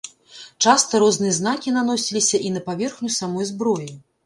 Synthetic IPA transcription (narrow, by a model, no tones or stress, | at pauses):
t͡ʂast̪ɐɾɔznɨjɐznakʲinan̪ɔsʲilʲisʲɐʔinɐpavʲɛrxnʲusamɔjzbɾɔji